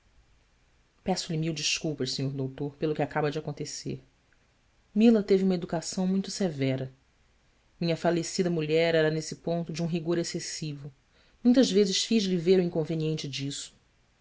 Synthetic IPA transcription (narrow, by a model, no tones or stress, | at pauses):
pɛsʊlimiwd͡ʒiʃkuwpɐʃsẽɲoɾd̪owt̪oɾpelʊkɪakabɐd͡ʒɪakõnt̪esḛɾ | milɐt̪eviũmɐed̪ukasɐ̃w̃mũj̃t̪ʊsevɛɾɐ | mĩɲɐfalesid̪ɐmuʎɛɾɛɾɐnesɪpõnt̪ʊd͡ʒɪũɦiɡoɾesesivʊ | mũj̃t̪ɐʒvezɪʃfiʒliveɾʊĩŋkõveniẽnt͡ʃɪd͡ʒisʊ̥